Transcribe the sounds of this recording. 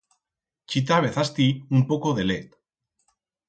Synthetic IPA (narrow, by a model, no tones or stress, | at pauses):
t͡ʃit̪aβ̞eθast̪iumpokoðelet̪